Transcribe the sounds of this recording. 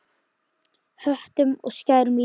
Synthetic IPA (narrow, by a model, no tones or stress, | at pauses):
hœht̪ʏmɔ̰ɣscaːjɾʏml